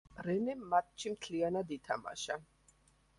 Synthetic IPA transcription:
ɾɛnɛmːat̪̚t͡ʃʰimt̪ʰlianad̪it̪ʰama̰ʃa

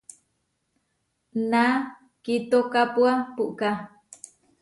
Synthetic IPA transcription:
na | kit̪okapuapuʔka

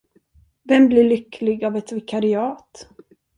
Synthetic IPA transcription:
vɛmblɪɭʏkːlɪɡavɛt̪vɪkʰaɾɪɑːt̪

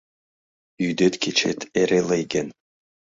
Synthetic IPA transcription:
yd̪ĕt̪kʲet͡ɕḛt̪ʰeɾelejɡʲen

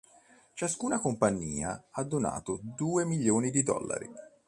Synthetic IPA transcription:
t͡ʃaskuːnakompaɲːiːaad̪ːona̰ːt̪od̪uːemiʎːjoːnid̪id̪ɔ̰lːa̰ɾḭ

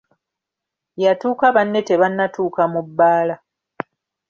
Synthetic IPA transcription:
jatuːkaβanːe̞te̞βanːatuːkamubːaːla

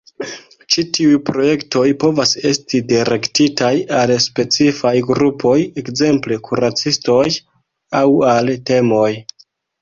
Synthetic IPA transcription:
t͡ʃitiujpɾo̞je̞kto̞jpo̞vase̞stidiɾe̞ktitajalspe̞t͡sifajɡɾupʰo̞jekze̞mple̞kʰuɾat͡sisto̞j | awalte̞mo̞j

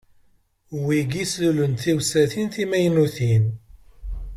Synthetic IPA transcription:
wiɡislulənθiwsæθinθimæjnuθin

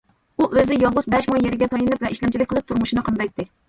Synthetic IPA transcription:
uʔøzɪjɑlˠʁʊsbɛʃmɑjːeɾɪɡʲɛt̪ʰɑjɨnɨpvɛiʃlɛnt͡ʃilɪkʲqəlˠɨp̚t̪ʰuɾmuʃinɨqʰənd̪ɑjt̪ːɪ

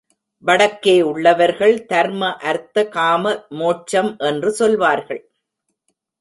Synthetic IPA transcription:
ʋɐɽɐkːeːʊɭːɐʋɐɾɣɐɭt̪ɐɾmɐʔɐɾt̪ːɐkaːmɐmoːʈt͡ʃɐmʔɛndrɯsɔlʋaːɾɣɐɭ

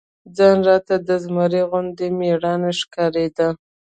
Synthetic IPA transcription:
d͡zɑnɾɑt̪ad̪əzmaɾiɣʊnd̪emeɽɑneʂkɑɾed̪a

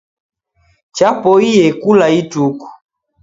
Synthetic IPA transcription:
t͡ʃapɔijɛkulaituku̥

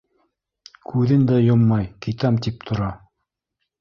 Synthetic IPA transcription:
kʰʉðɘnd̪æjomːɑjkit̪æmt̪ip̚t̪ʰŏɾɑ

